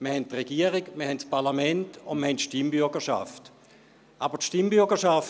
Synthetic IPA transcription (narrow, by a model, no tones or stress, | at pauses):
miəhɛntːʁeɡ̥iəʁikməhɛntspʰaʁlamɛntʊnməɐhɛntʃtimbʏɐɡəʃa̰ft | ʔabətʃtimbyɐɡəʃaf